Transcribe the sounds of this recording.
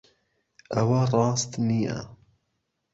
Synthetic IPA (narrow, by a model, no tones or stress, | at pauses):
ʔɐwarˤɑːst̪niːa̰